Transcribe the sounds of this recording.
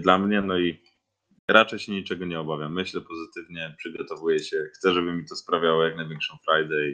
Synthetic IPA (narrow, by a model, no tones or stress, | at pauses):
d̪lamɲɛnɔi | ɾʔat͡ʂɛjɕɛɲit͡ʂɛɡɔɲɛɔbavʲjamːɘɕlɛpɔzɘt̪ɘvɲɛpʂɘɡɔt̪ɔvujɛɕɛxt̪sɛʐɛbɘmʲit̪ɔspɾavʲjawɔjaknajvʲɛ̃ŋkʂɔ̃w̃fɾajd̪ɛj